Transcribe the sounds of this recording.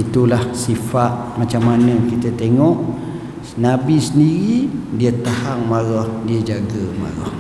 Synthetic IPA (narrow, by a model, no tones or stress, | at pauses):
it̪ulahsifat̪̚mat͡ʃamːanə̃kit̪ət̪eŋɔʔ | ənabisəndiɾidiət̪ahaŋmaɾɔhdiəd͡ʒaɡəma̰ɾɔ̰h